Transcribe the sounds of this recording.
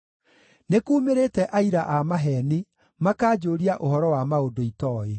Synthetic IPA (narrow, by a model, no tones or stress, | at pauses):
nekuːmeɾeːtɛʔaiɾaʔamaɦɛni | makaːd͡ʒoːɾiaʔoɦɔɾɔwamaodoitɔːe